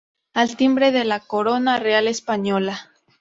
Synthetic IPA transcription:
alt̪imbɾeðelako̞ɾo̞narealespaɲola

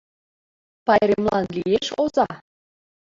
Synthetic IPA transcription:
pɑjɾemlˠɑnlijeʃozɑ

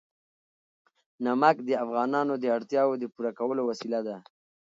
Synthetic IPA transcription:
namakd̪əafɣɑnɑnod̪əaɽt̪jɑwod̪əpuɾakawəlowasilad̪a

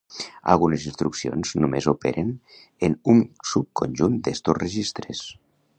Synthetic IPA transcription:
a̰lˠɣunezinst̪ɾuksio̰nz̥numezopḛɾen | enuŋsup̚konʲʒund̪est̪osrəʒist̪ɾes

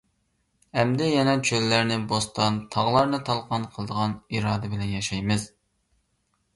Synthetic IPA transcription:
hɛmd̪ɛjɛnɛt͡ʃʰølːæɾnɪbost̪ɑnt̪ʰɑʁlˠɑɾnɨt̪ʰɑlˠqʰɑnqʰəlˠɨd̪əʁɑniɾɑːd̪ɨbɪlɛnjɑʃɑjmɨz̥

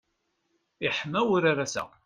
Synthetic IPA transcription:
ɪħmæwʊɾaɾasæ̰

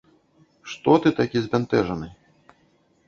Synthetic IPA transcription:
ʂt̪ɔt̪ɨt̪akʲizʲvʲɛnt̪ɛʐɐnɨ

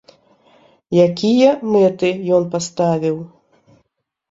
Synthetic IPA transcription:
jakʲijɐmɛt̪ɨjɔnpast̪avʲiw

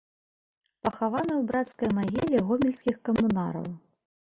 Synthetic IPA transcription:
pɐxavanɐwbɾat̪skɐjmaɣʲilʲiɣɔmʲilʲskʲixkɐmuna̰ɾɐ̰w

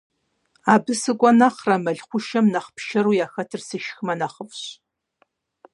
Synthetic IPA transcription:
aːbɨsɨkʷʼɔnaχrɐmɐɮχʷʊʃɐmnɐχpʰʃɐɾujaːxɐtʰɨrsɨʃxmɐnɐχəfɕ

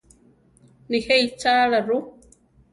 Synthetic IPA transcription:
niheit͡ʃaːɺaru

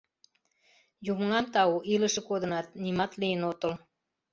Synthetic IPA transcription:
jumŋɑmt̪ɑuʔiləʃə̆kod̪ə̆nɑt̪̚nimɑt̪lijənot̪ə̆l

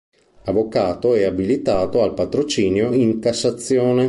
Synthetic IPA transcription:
avokaːt̪oɛabilit̪aːt̪oalpat̪ɾot͡ʃiːnjoiŋkasːat̪sːjoːne

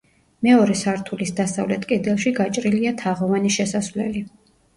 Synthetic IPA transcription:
mɛɔɾɛsaɾt̪ʰulisd̪asavlɛt̪ʼkʼɛd̪ɛlˠʃiɡat͡ʃʼɾiliat̪ʰaʁɔvaniʃɛsasvlɛ̰li

